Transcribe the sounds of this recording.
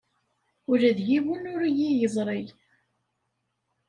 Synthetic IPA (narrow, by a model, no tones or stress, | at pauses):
ʊɾəðʝiwənʊɾijijəzˤɾˤej